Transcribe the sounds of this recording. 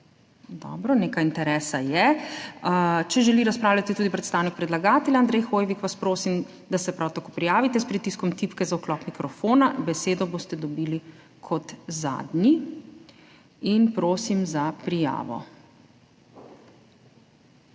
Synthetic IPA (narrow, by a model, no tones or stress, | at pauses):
d̪ɔ̰bɾɔneːkajint̪ɛɾɛːsajɛ | t͡ʃɛʒɛliɾaspɾawlʲat̪it̪uːd̪ipɾɛt̪st̪aːwnik̚pɾɛd̪laɡaːt̪ɛljand̪ɾɛjxoːjʋikʋaspɾoːsim | d̪asɛpɾawt̪akopɾijaːʋit̪ɛspɾit̪iskɔmt̪ipkɛzauklɔːkmikɾɔfoːnabɛseːd̪ɔboːst̪ɛd̪ɔbiːli | kʰɔt̪za̰ːd̪ni | inpɾoːsimzapɾija̰ːʋɔ̰